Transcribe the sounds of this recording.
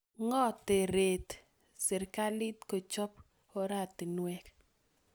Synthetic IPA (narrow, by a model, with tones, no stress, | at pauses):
ŋɔ˦t̪e˨ɾe˨t̪ | sɪ˨ɾka˦lɪ˦tko˨t͡ʃɔ˦p | o˦ɾa˦˨t̪i˨nwɛ˦k